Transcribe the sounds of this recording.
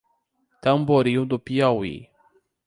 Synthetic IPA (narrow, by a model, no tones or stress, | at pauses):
t̪amboɾiwd̪upiawḭ